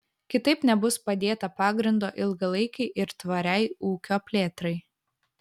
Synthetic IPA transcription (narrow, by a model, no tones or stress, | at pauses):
kʲɪt̪ɐɪpnʲɛbʊspɐd̪ʲeːt̪ɐpɑːɡɾʲɪnd̪oːʔɪlˠɡɐlˠɐɪkʲɛɪʔɪɾt̪ʋɐɾʲɛɪuːkʲoːpʲlʲeːt̪ɾɐɪ